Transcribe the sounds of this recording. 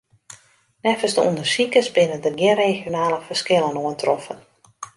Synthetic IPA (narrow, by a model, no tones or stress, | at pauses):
nɛfəsdəṵndərsikəsbɪnədərɡjɪnrexjonaːləfərskɪlˠənoəntʰrɔfən